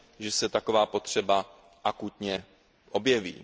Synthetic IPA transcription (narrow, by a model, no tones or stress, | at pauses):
ʒɛsɛt̪ako̞vaːpo̞t̪r̝̥ɛba | ʔakut̪ɲɛ | ʔo̞bjɛvḭː